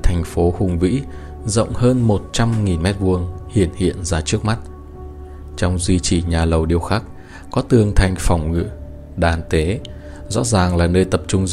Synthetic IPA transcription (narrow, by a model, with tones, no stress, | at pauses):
t̪ʰɛ˨˩jŋ̟fo˨˦hʊ˨˩ŋ͡mvḭ˧˥ | zə̰˧˨wŋ͡mhəː˧nmo˨˩t̚t͡ɕa˧mŋi˨˩nmɛ˦˥t̚vu˧əŋhḭ˧˩ənhḭ˧˨ənzaː˧t͡ɕɨ˦˥ək̚ma˦˥t̚ | t͡ɕɔ˧wŋ͡mzwi˧t͡ɕi˧˩ɲaː˨˩lə˨˩wɗi˧əwxaː˦˥k̚ | kɔ˨˦t̪ɨ˨˩əŋt̪ʰa˧˩jŋ̟fɔ˨˩wŋ͡mŋɨ̰˧˥ | ɗaː˨˩nt̪e˨˦ | zɔ̰˧˥zaː˨˩ŋlaː˨˩nəː˧jt̪ə˨˩p̚t͡ɕʊ˧ŋ͡m